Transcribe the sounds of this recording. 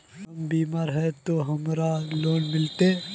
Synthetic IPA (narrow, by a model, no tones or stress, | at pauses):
ɐmbiːmaːɾɦɛt̪oɦɐmɾaloːnmɪlt̪e